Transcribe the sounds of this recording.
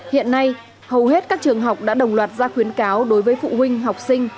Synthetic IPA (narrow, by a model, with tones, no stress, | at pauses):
hḭ˧˨ənːa˧j | hə˨˩wɦe˦˥t̚kaː˦˥k̚t͡ɕɨ˨˩əŋɦa˨˩wk͡p̚ɗa̰ː˧˥ɗə˨˩wŋ͡mlwaː˨˩t̚zaː˧xwi˨˦ənkaː˨˦wɗo˨˦jvəː˨˦jfṵ˧˨ɦwï˧ŋ̟ɦa˨˩wk͡p̚sï˧ŋ̟